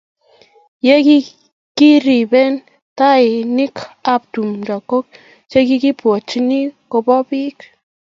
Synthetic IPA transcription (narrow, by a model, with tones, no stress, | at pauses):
je˦ki˦ | ki˦ɾi˨bɛ˦n | ta˦ɪ˨ni˦ka˦p̚tu˨mda˨kːo˦k̚ | t͡ʃe˦ki˦ki˦pwo˨t͡ʃi˦ni˦ko˨˧bɔ˦pi˦k